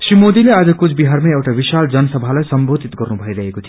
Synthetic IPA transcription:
sɾimod̪ilead͡zʌkut͡sʰbiɦaɾmeekʈaʋiʃald͡ʒʌnsəbʱalajsəmbod̪ʱit̪ɡʌɾnubʱəiɾəɦekot̪ʰi

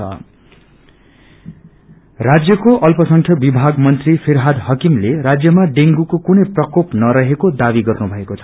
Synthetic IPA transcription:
ʌ̰ | rad͡zjʌkoʔʌlpʌsʌŋkʰjʌbibʱaɡmʌnt̪ripʰeɾɦad̪hʌkimleɾad͡zjʌmaɖeŋɡukokunʌjprʌkopnʌɾʌɦekod̪abiɡʌrnubʱʌekot͡sʰʌ

